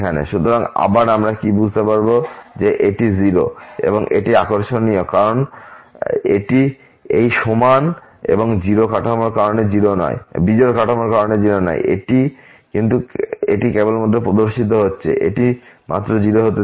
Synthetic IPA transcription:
kʰanḛʃut̪oɾaŋa̰baɾamɾakibud͡ʑʱt̪epaɾbod͡ʑeʔeʈiziɾo̰ḛboŋʔḛʈia̰koɾʃonːiokaɾon | eʈi | ejʃoman | ḛboŋd͡ʑiɾokaʈʰamoɾkaɾoned͡ʑiɾonɔ̰ebid͡ʑoɾkaʈʰamoɾkaɾoned͡ʑiɾonɔ̰j̰ʔḛʈi | kint̪̬uḛʈikebolmod̪ʱːopɾod̪oɾʃit̪̬oɦotːɕʰḛʔḛʈimʔa̰t̪ːɾod͡ʑiɾoɦot̪e

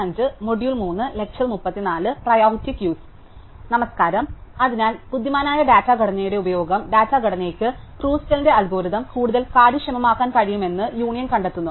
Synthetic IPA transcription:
ɐɲd͡ʑɨmoɽjulmuːnːɨlekʂɐlmupːɐt̪ːinaːlɨprɐjaːɦutːikjuːs | nɐmɐskaːɾɐmɐðinaːlpud̪ːjimaːnaːjɐɖaːtːaːɡɐɽɐnɐjuɽe̞ubɐjo̞ːɡɐmɖaːtːaːɡɐɽɐneːkʲːɨ | kruːstɐlinde̞ɐlɡoːɾuðɐmkuːɽuðɐlkaːɽiʂɐmɐmaːkːaːnkɐɻijume̞nːɨjuːɳijɐnkɐɳɖet̪ːunːu

